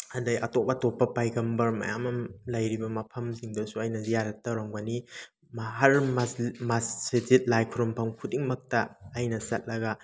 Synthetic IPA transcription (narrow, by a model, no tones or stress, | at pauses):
ɐndɐjɐtop̚ɐtopːɐpajɡɐmbɐɾmɐ̰ja̰mɐmlɐjɾibɐmɐpʰɐmziŋdɐsuajnɐzijaɾɐtːɐwɾaŋbɐni | mɐɦɐɾmamassezit̚lajkʰuɾɔmpʰɐmkʰudiŋmɐk̚tɐːjnɐsɐt̚lɐɡɐ